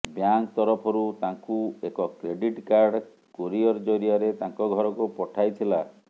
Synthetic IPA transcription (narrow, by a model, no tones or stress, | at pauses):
bjaŋkt̪ɔɾɔpʰɔɾut̪aŋkuekɔkɾeɖiʈkaɾɖ | koɾiɔɾd͡ʒɔɾiaɾet̪aŋkɔɡʱɔɾɔkupɔʈʰajt̪ʰila